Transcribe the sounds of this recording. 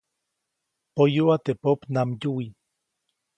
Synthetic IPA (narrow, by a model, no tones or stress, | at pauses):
pojuat̪epopnamjui